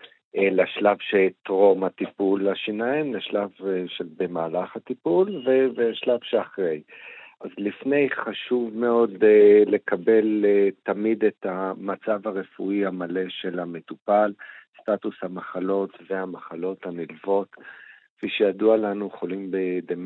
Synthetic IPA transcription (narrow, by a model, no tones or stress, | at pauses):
ʔelaʃlavʃeltʁo̞mat̪ipulaʃinaimleʃlavʃelbemaːlaχhat̪ipulveveʃlavʃeaχʁe̞jʔazlifne̞jχaʃuvme̞o̞d̪ele̞kabe̞letamid̪et̪amat͡savaʁe̞fuihamale̞ʃe̞lame̞t̪upalst̪atushamaχalo̞tvehamaχalo̞thanilvo̞tkfiʃejadualanujeχolimbed̪em